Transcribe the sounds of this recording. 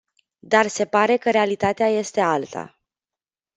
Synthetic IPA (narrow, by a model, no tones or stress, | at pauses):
d̪arse̞paɾe̞kəɾe̞alit̪at̪eaje̞st̪e̞alt̪ʰa̰